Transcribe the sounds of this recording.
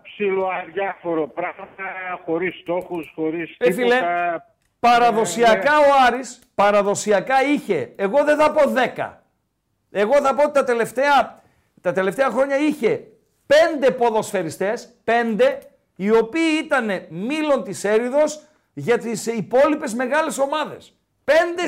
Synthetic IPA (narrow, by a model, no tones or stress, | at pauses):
psiloɐðʝɐfoɾopɾɐɣmɐt̪ɐxo̞ɾisːt̪o̞xusxoɾisfileɐ | pɐɾɐðo̞siɐkɐo̞ɐɾis | pɐɾɐðo̞siɐkɐiçe̞ːɣo̞ðeθɐpo̞ðe̞kɐ̰ | e̞ɣo̞θɐpoot̪it̪ɐt̪e̞le̞ft̪eɐ | t̪ɐt̪e̞left̪eɐxɾo̞ɲɐiçe̞ | pe̞nd̪e̞po̞ðo̞sfe̞ɾist̪e̞spe̞nd̪e̞ | io̞piːit̪ɐne̞milo̞nt̪ise̞ɾiðo̞s | ʝɐt̪isipo̞lipe̞zme̞ɣɐle̞so̞mɐðe̞̰s | pe̞nd̪e